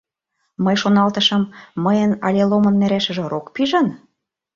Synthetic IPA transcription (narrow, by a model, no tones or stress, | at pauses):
məjʃonɑlt̪ɤ̆ʃɤ̆mːəjənɑlʲelomɤ̆nmæɾæʃə̆ʒĕɾokpiʒɤ̆n